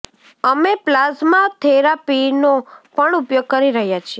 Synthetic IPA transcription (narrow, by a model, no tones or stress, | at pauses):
əmeplazmãt̪ʰeɾapinopəɳupjoɡ̚kəɾiɾəɦjat͡ʃʰie